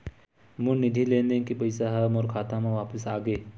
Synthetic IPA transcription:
mʊnɪd̪ʱilẽːnd̪ẽkipɐɪsaɦɐmɔːɾkʰaːt̪ãmãʋaːpəsaːɡəː

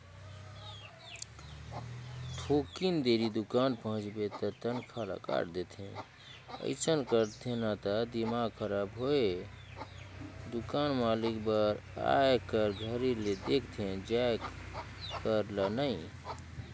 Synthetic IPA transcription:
ʈʰokind̪eɾid̪ukanpəɦə̃t͡ʃbet̪ət̪ənkʰala̰ka̰ʈd̪et̪ʰẽ | ə̰ɪt͡ʃənkəɾt̪ʰẽnat̪ad̪imaɡkʰəɾabɦoe | d̪ukanmalikbəɾa̰ekəɾɡʱəɾiled̪ekʰt̪ʰẽd͡ʒae | kəɾlənəɪ

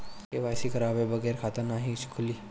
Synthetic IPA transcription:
keʋaːjsikʰɐɾaːbebɐɣɛːɾkʰaːt̪anaːɦit͡ʃʰkʰʊliː

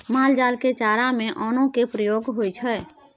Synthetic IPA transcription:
maːld͡ʒaːlket͡ʃaːɾamẽʔɔːnõkepɾəjoːɡɦojt͡ʃʰɛ

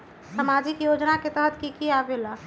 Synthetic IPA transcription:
səmad͡ʒikjod͡ʒnaket̪əɦət̪ʰkikiabela

